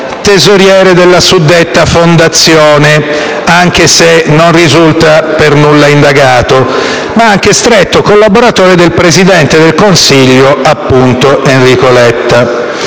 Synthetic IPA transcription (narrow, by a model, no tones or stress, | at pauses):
t̪ezoɾjɛːɾed̪elːasud̪ːet̪ːafond̪at̪sːjoːne | aŋk̟esenonrizult̪apernulːaind̪aɡaːt̪o | maaŋk̟est̪ɾet̪ːokolːaboɾat̪oːɾed̪elpɾezid̪ɛnt̪ed̪elkonsiʎːoapːunt̪oʔenrikolɛt̪ːa